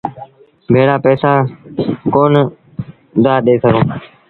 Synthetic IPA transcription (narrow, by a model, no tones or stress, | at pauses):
bʱeːɽaːpɛːsaːkoːn | d̪aːɗ̪eːsəɡõː